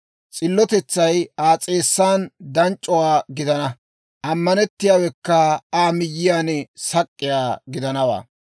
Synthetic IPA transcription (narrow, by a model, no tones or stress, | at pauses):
t͡sʼɪlːɔt̪ɛt͡sːɐjaːt͡sʼe̞ːsːaːnd̪ɐnt͡ʃʼːɔwaːɡɪd̪ɐnɐ | ʔɐmːɐnɛt̪ːɪjaːwɛkːɐaːmɪjːɪjaːnɛsɐkʼːɪjaːɡɪd̪ɐnɐwa̰ː